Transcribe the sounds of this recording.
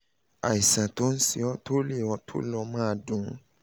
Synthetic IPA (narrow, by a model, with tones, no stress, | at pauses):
a˨i˨sã˨to˦n̩˦si˧ɔ˦to˦le˦˨ɔ˧tʰo̰˦lɔ˧mã˦˧˨dũ˨˦